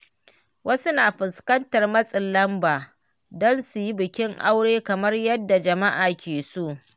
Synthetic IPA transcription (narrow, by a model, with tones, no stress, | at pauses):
wʔɐ˦su˦naː˨ɸɪ˨skɐ˦ntɐ˨rmɐ˦sʼɪ˨lːɐ˦mbaː˨ | dɔ˦nsu˨ji˦bɪ˨kʲɪ˦ŋʔa̰˦wɽeː˦kɐ˨mɐ˦rjɐ˦dːa˨d͡ʒɐ˨ma˦ʔaː˨kʲeː˨su˦ʔ